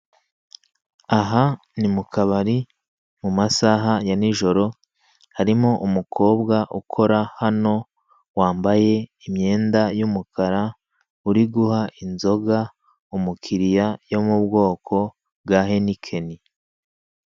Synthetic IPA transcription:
aɦa | nimukʰaβaɾi | mumasaɦajaniʒo̞ɾo̞ | haɾimoʔumukʰo̞ːbɡaʔukʰo̞ɾahano̞ | waːmbaje̞imɲe̞ːndajumukʰaɾa | uɾiɡuhaʔinzo̞ɡa | umukʰiɾijajo̞mubɡo̞ːkʰo̞ | b̚ɡaːɦe̞nikʰe̞ni

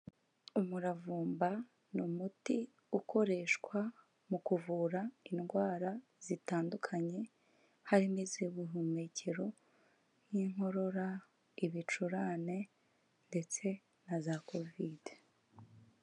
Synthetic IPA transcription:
umuɾavuːmba | numuti | ukʰo̞ɾe̞ːʃkwa | mukuvuːɾainɡwaːɾaz̥itaːndukʰaɲe̞ | haɾimeziuβuɦume̞ːce̞ɾo̞ | n̥iːŋ̥ho̞ɾo̞ɾa | iβit͡ʃuɾaːne̞ | nde̞t͡se̞ | nazako̞vide̥

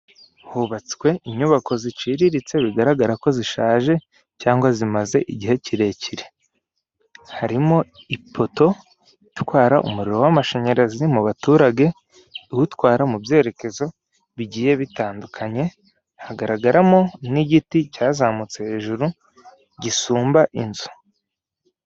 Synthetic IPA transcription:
huβat͡si̥kwe̞iɲuβako̞zit͡ʃiɾiɾit͡se̞βiɡaɾaɡaɾako̞ziʃaːʒe̞ | caːŋɡwazimaze̞ʔiɟihe̞ciɾe̞ciɾe | haɾimo̞ipʰo̞to̞ | itwaːɾaʔṵmuɾiɾo̞wamaʃe̞ɲe̞ɾaziimuβatuːɾaɡe̞ | uwutwaːɾamubje̞ːɾe̞ke̞zo̞ | βiɟiːje̞βitaːndukʰaɲe̞ | haɡaɾaɡaɾamo̞niɟiticaːzamut͡sehe̞ːʒuɾu | ɟisuːmbaʔinzu̥

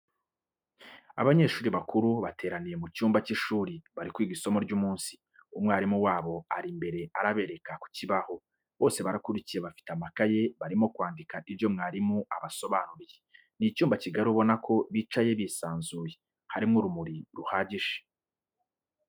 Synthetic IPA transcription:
a̰βaɲe̞ːʃuːɾiβakuɾuβatʰe̞ːɾanije̞mucuːmbaciʃuːɾiβaɾikwiːɡiso̞mo̞ɾɟuːmuːnsi̥ | umŋaːɾimuwaːβo̞aɾimbe̞ɾe̞ʔaɾaβe̞ːɾe̞kaku̥ciβaho̞ | βo̞ːse̞βaɾakuɾicije̞βafi̥teamakaje̞βaɾimo̞kwaːndikaiβjo̞mŋaːɾimuaβaso̞βaːnuɾije | nicuːmbaciɡaɾiuβo̞nakʰo̞βiːt͡ʃaje̞βisaːnzuːje̞ | haɾimŋoɾumuɾiɾuhaːɟiʒe̥

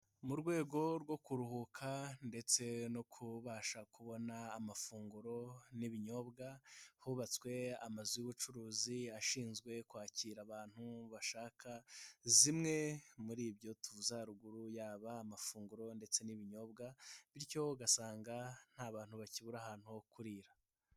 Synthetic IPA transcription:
muɾɡwe̞ːɡo̞ɾɡo̞kuɾuhukʰande̞t͡se̞nokʰuβaːʃakuβo̞naːmafuːŋɡuɾo̞niβiɲo̞bɡahuβat͡swe̞amazujuβut͡ʃuɾuːziaʃiːnzɡwe̞kwaːciːɾaβaːn̥huβaʃaːkʰazimŋe̞muɾiːbjo̞tuuzaɾuɡuɾujaːβaːmafuːŋɡuɾo̞nde̞t͡se̞niβiɲo̞ːbɡaβiɾco̞ɡasaːŋɡan̥aβaːn̥huβaciβuɾahaːn̥huokuɾiːɾa

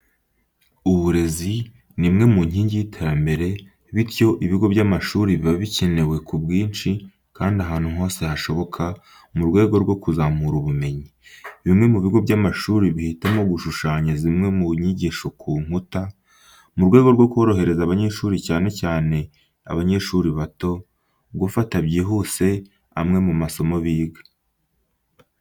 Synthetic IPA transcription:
uβuɾe̞zi | nimŋe̞muɲ̥hiːɲɟijitʰeɾambe̞ɾe̞ | βiɾjo̞ʔiβiɡo̞bɟamaʃuːɾiβiβaβice̞newe̞kubɡiːnt͡ʃi | kaːndaɦaːn̥huŋho̞ːse̞haʃo̞βo̞kʰa | muɾɡwe̞ːɡo̞ɾɡwo̞kuzamuɾuβume̞ɲiβimŋe̞muβiɡo̞bɟamaʃuːɾiβihitamoɡuʃuʃaːɲazimŋe̞muɲiɟiːʃo̞kʰuːŋ̥uta | muɾɡwe̞ːɡo̞ɾɡo̞kuo̞ɾo̞ɦe̞ɾe̞zaβaɲe̞ʃuːɾicaːne̞caːne̞ | a̰βaɲe̞ʃuɾiβato̞ | ɡufatabɟiːɦuse̞ | a̰mŋe̞mumaso̞mo̞βiːɡḁ

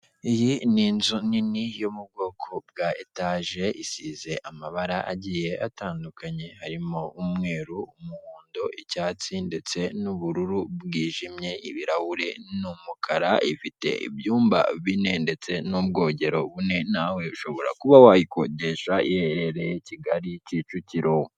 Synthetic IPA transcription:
ijininzuninijomub̚ɡo̞ːkʰo̞b̚ɡaetaʒe̞ʔisize̞ʔamaβaɾaʔaɟije̞ʔataːndukaɲe̞haɾimoumŋe̞ːɾuumuhuːndo̞ʔicaːt͡sinde̞t͡se̞nuβuɾuɾuβwiːʒimɲe̞iβiɾahuɾe̞̰numukʰaɾaifite̞̰ḭβjuːmba̰βine̞nde̞t͡se̞nubɡo̞ːɟe̞ɾo̞βune̞nawe̞uʃo̞βo̞ɾa̰kuβawahiko̰ɟe̞ʃaiheɾeɾejeciɡaɾicit͡ʃuciɾo

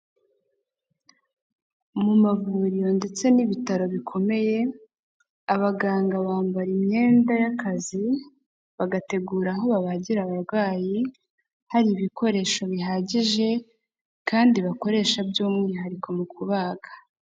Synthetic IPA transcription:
mumavuːɾijo̞nde̞t͡se̞niβitaɾo̞βikʰo̞me̞je̞ | aβaɡaːŋɡaβaːmbaɾimɲe̞ːndajakazi | βaɡate̞ɡuːɾaɦo̞βaβaɟiɾaβaɾɡwaːji | haɾiβikʰo̞ɾe̞ːʃo̞βiɦaːɟiʒe̞ | kaːndiβako̞ɾe̞ːʃabjoːmŋiːɦaɾikʰo̞mukʰuβaːɡḁ

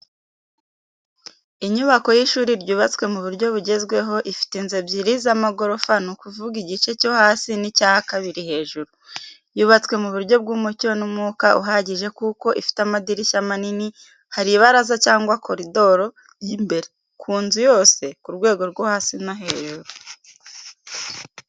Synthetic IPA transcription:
iɲuβako̞jiʃuːɾiɾɟuːβat͡swe̞muβuɾɟo̞βuɟe̞zɡwe̞ɦo̞ʔifi̥tenzebjiɾizamaɡo̞ɾo̞fanukuvuɡiɟit͡ʃe̞co̞haːsinicaːhakaβiɾihe̞ːʒuɾu | juːβat͡swe̞muβuɾɟo̞b̚ɡuːmucionumŋuːkaʔuɦaɟiʒekuko̞ʔifi̥tamadiɾiʃamanini | haɾiβaɾazacaːŋɡwakʰo̞ɾido̞ɾo̞ | jimbe̞ɾe | kʰuːnzujo̞ːse̞kuɾɡwe̞ːɡo̞ɾɡohaːsinaɦe̞ːʒuɾu

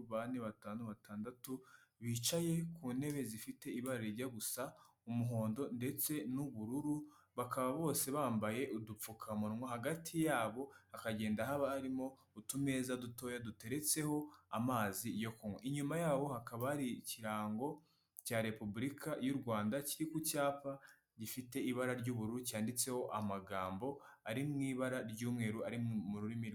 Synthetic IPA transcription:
βaneβataːnoβataːndatuβiːt͡ʃaje̞kuːne̞βe̞zifite̞iβaɾeɾiɾɟaɡusa | umuɦo̞ːndo̞nde̞t͡se̞nuβuɾuɾu | βakaβaβo̞ːse̞βaːmbaje̞ʔudup͡fukʰamuɾmŋwoɦaɡatʰijaːβo̞akaɟe̞ːndaɦaβaːɾimo̞ | utume̞zaduto̞jadute̞ɾe̞t͡se̞ho̞amaːzijo̞kumwḛʔiɲumajaːβo̞hakaβahaɾiciɾaːŋɡo̞ | caːɾe̞pubuɾikʰajuɾɡwaːndaciɾikucaːpa | ɟifite̞iβaɾaɾɟuβuɾuɾucaːndit͡se̞ho̞ʔamaɡaːmbo̞aɾimŋiːβaɾaɾɟuːmŋe̞ːɾuaɾimuɾuɾimiɾ

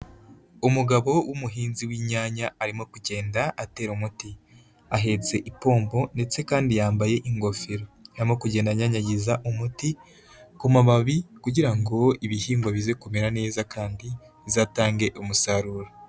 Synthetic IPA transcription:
umuɡaβo̞wʔumuɦiːnziwiːɲaːɲaːɾimo̞kuɟe̞ːndaʔate̞ːɾumuti | aɦe̞t͡se̞ʔipo̞ːmbo̞nde̞t͡se̞kaːndijaːmbaje̞ʔiŋɡo̞feɾoaimo̞kuɟeːndaɲaɲaɟizaʔumuti | kumaβaβikuɟiɾaŋɡo̞iβihiːŋɡwaβize̞kumeɾane̞ːzakʰaːndi | zaːtaːŋɡe̞ʔumusaɾuːɾa

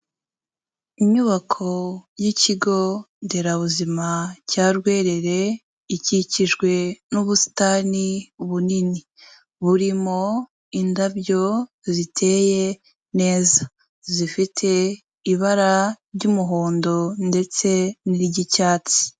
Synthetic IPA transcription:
iɲuβakʰo̞jiciɡo̞ | ndeɾaβuzimacaɾɡwe̞ːɾe̞ɾe̞ | iciciʒɡwe̞nuβusi̥taːniβunini | βuɾimo̞ | indabjo̞ | zitʰe̞je̞ | ne̞ːza | zifitʰe̞ | iβaɾaɾɟumuɦoːndo̞nde̞t͡se̞niɾiɟicaːt͡si̥

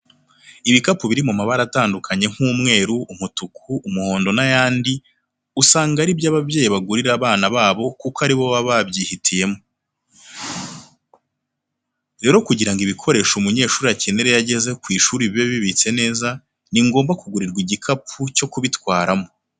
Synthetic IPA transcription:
iβikapuβiɾimumaβaɾataːndukʰaɲe̞ŋ̥huːmŋe̞ːɾuːmutukʰuːmuho̞ːndo̞najaːndi | usaːŋɡaɾibjaːβabɟe̞ːjiβaɡuɾiɾaβaːnaβaːβo̞kukaɾiβo̞βaβabɟiːhitʰije̞mo | ɾe̞ːɾo̞kuɟiɾaŋɡiβikʰo̞ɾe̞ːʃumuɲe̞ːʃuːɾiaceneɾe̞jaɟe̞ze̞kwiːʃuːɾiβiβeβiβit͡se̞ne̞ːza | niŋɡo̞ːmbakuɡuɾiɾɡwiɟikʰapʰuco̞kuβitwaːɾamo

